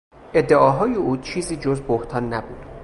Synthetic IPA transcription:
ʔe̞d̪ːeʔɒːɦɒːjeuːt͡ʃʰiːziːd͡ʒozboht̪ʰɒːnːæbuːd̪̥

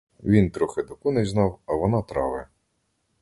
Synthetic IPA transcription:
ʋʲint̪ɾɔxɪd̪ɔkunɛznɑwɐʋɔnɑt̪ɾɑʋɪ

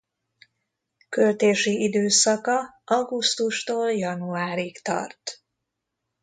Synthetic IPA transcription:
kølt̪eːʃiʔid̪øːsɒkɒɒɡust̪uʃt̪oːljɒnuaːɾikt̪ɒ̰rt̪

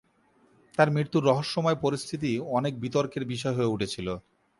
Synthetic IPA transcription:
t̪aɾmɾiɾt̪ːuɾːɔɦoʃːomɔepoɾist̪ʰit̪̬iɔnek̚bit̪oɾkeɾbiʃ̬ɔeɦoeuʈʰet͡ɕʰilo

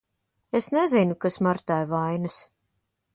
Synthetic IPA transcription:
esnezinukasmaɾt̪ajvajnɨs

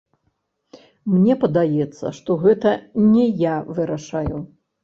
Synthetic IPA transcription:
mnʲɛpɐd̪ajɛt̪sːɐ̰ʂt̪ɔɣɛt̪ɐnʲɛjavɨɾaʂaju

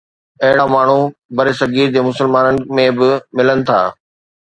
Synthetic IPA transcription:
ɐɦɪɽamaːɳ̤ubɐɾesɐɡiːɾd͡ʑemʊsəlmaːnənɪ̆mẽbɪmɪlənɪ̆t̪ʰa̰ː

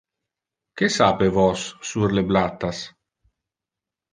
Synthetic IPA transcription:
kesapevɔsːurleblat̪ːas

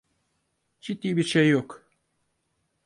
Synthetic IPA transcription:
d͡ʒit̪̚d̪iːbiɾʃejːok

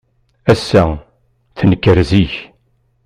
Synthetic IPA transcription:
æsːæ | θənəkːəɾziç

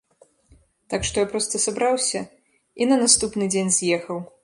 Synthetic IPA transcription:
t̪akʂt̪ɔjapɾɔst̪ɐsabɾawsʲɐ | inɐnast̪upnɨd͡zʲenʲzʲjɛxɐw

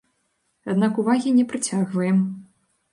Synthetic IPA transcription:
ad̪nakuvaɣʲinʲɛpɾɨt͡sʲaɣvɐjɛm

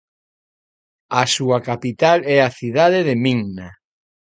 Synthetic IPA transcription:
asuakapit̪alɛaθiðaðeðemiŋna

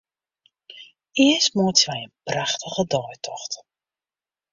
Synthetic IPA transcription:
ɪəstmuətʋɛjənpraχtəɣədɔjtʰɔxt

